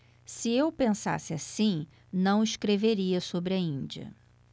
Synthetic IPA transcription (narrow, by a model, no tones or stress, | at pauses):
sɪewpẽsa̰sɪasĩ | nɐ̃w̃ɪʃkɾeveɾiɐsobɾɪɐĩd͡ʒiɐ̰